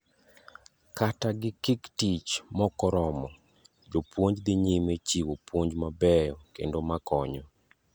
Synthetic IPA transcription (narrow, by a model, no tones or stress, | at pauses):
kataɡɪkiktit͡ʃmɔkɔɾɔmɔ | d͡ʒopwoɲd͡ʒd̪ɪɲimet͡ʃiwopwoɲd͡ʒmabɛjɔkḛndomakɔɲɔ